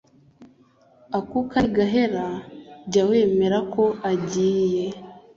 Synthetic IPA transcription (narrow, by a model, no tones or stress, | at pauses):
akukaɡaɦe̞ɾaɟawe̞ːme̞ɾako̞aɟiːje̞